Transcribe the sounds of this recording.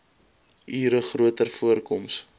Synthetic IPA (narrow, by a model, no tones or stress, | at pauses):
ʔiːɾəχruətərfuərkɔms